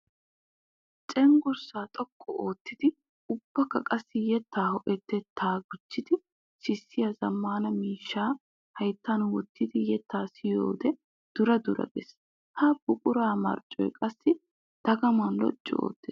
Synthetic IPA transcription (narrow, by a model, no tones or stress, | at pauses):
t͡ʃʼɛŋɡʊɾsaːt̪ʼɔkʼːɔʔoːt̪ːɪd̪ɪ | ʊb̥ːɐkːɐkʼɐsːɪjɛt̪ːaːhɔʔɛt̪ːɛt̪ʰːaːɡʊt͡ʃːɪd̪ɪ | sɪsːɪjazɐmːaːnɐmiːʃːaː | hɐjt̪ːanwɔt̪ːɪd̪ɪjɛt̪ːaːsɪjo̰ːd̪ɛ | d̪̥ʊɾɐd̪ʊɾɐ̰ɡɛs | hɐb̥ʊkʼʊɾaːmɐ̰ɾt͡ʃʼɔ̰jkʼɐsːɪ | d̪̥ɐɡɐmɐnlɔ̰t͡ʃʼːɔ̰o̰ːt̪ːes